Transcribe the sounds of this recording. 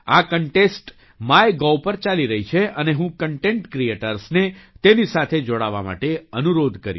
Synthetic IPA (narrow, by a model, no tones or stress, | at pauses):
akəɳʈesʈ | maeɡɔwpəɾt͡ʃaliɾəɦit͡ʃʰeʔəneɦũkəɳʈẽɳʈkɾieʈəɾsnet̪enisat̪ʰed͡ʒoɽaʋa̰ma̰ʈeənuɾod̪ʱkəɾju